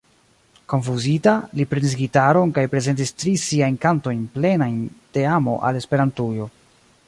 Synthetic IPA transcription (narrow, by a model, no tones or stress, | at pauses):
ko̞nfuzitalipɾenis̬ɡitaɾo̞nkajpɾe̞ze̞nt̬istɾisiajnkanto̞jnple̞najnte̞amo̞̰ʔa̰le̞spe̞ɾantujo̞